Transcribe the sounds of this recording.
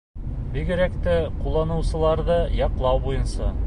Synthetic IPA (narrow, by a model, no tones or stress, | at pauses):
biɡɘ̆ɾækt̪æqulˠːɑnɤ̆wsɤ̆lˠɑɾðɤjɑqlˠɑwbujɤ̆nsɑ